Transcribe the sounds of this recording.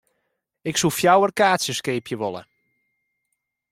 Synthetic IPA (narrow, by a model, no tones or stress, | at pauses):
ɪksufjawərkaːtsjəskeːpʰjəʋɔlˠə̰